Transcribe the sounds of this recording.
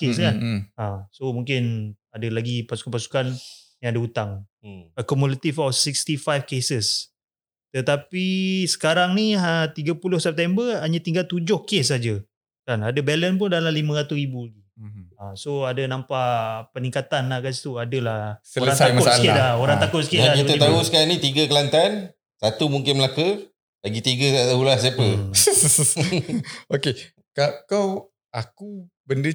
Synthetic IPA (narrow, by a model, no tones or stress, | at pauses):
kes̬kanasomuŋkɪn | adalaɡipasukanpasu̥kan | jãŋadəut̪aŋəkɔmulat̪ifawsikst̪ifajfkesəs | t̪ət̪apisə̥kaɾaŋniət̪iɡapulʊhsɛp̚t̪ɛmbəaɲãt̪iŋɡalt̪ud͡ʒʊhkes̬ad͡ʒə | kanadəbɛlənp̬ʊndalalimãɾat̪ʊsribulaɡiasoadənampaʔpəniŋkat̪anlakasi̥t̪uadəlahsələɾaŋtaaəaskɪalaoɾaŋt̪akʊt̪sə̥kɪtakiət̪aɦusə̥kaanit̪iɡəkəlant̪an | sat̪umuŋkɪnməlakə | laɡit̪iɡəaaulas̬iapə | oke | kakaw | aku | bəndə